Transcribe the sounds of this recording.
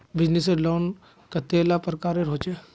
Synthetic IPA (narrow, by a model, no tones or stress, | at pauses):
bɪd͡ʒniseloːn | kət̪eːlapɾəkaːɾeɾoːt͡ʃe